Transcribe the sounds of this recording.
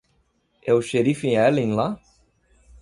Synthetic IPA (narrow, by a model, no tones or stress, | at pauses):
ewʃeɾifĩɛlĩŋla